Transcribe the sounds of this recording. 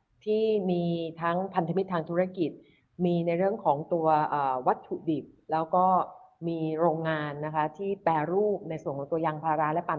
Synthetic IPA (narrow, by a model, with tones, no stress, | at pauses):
t̪ʰiː˥˩miː˧t̪ʰa˦˥ŋpʰa˧nt̪a˧mi˦˥t̪ʰːaː˧ŋt̪ʰu˦˥ɾa˦˥ki˨˩t̪̚ | miː˧na˧jɾɯ˥˩əŋkʰɔː˩˦ŋt̪u˧ɐʔɤː˨˩wa˦˥t̪̚t͡ɕʰu˨˩di˨˩p̚lɛː˦˥wkɔː˥˩miː˧ɾoː˧ŋːaː˧nːa˦˥kʰa˦˥t̪ʰiː˥˩pɛː˧ɾuː˥˩p̚na˧jsu˨˩ənkʰɔː˩˦ŋt̪u˧ɐjaː˧ŋpʰaː˧ɾa˦˥lɛ˦˥pa˧˩